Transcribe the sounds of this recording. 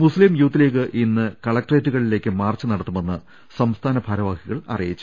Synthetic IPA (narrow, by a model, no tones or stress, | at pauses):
muslimjuːt̪ːile̞ːk̬ːɨʔinːɨkɐɭɐk̚ʈreːtːuɣɐɭile̞ːkʲːɨmaːrt͡ɕːɨnɐɽɐt̪ːumenːɨ | sɐmst̪ʰaːnɐbʱɐɾɐʋaːkiɣɐɭɐ̰rijit͡ɕːu